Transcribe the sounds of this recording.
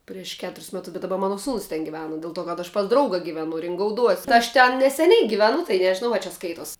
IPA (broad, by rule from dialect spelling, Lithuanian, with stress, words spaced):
pʲrʲiɛʃ ˈkʲæːtʊrʲɪs ˈmʲæːtʊs bʲɛt dɐˈbɐ ˈmɑːnɐ ˈsuːnʊs tʲɛn ɡʲɪˈʋʲæːnɐ dʲɛlˠ ˈtoː kɐt ɐʃ pɐs ˈdrɐʊɡɐ ɡʲɪˈʋʲæːnʊ rʲɪŋɡɐʊˈduɔsʲ tʲɪ ɐʃ ˈtʲɛn nʲɛsʲɛˈnʲɛɪ ɡʲɪʋʲɛˈnʊ tɐɪ nʲɛʒʲɪˈnɐʊ ɐ t͡ʃʲɛ ˈskɐɪtoːs